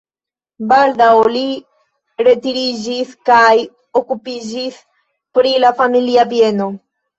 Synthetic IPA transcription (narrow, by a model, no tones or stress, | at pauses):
bald̪awli | ɾe̞tiɾid͡ʒiskaj | okupid͡ʒis | pɾilafamiliabje̞no̞